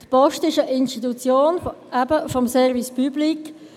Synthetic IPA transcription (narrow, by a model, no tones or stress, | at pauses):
d̥̪pɔʃtiʃəʔɪnstit̪ut͡sjoːnæbəfɔmsɛʁvispyblik